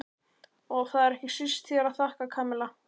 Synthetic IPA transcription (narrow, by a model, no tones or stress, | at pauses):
ɔɣθaðɛɾɛhcɪsist̪θjɛɾaðθahkakʰaːmɛla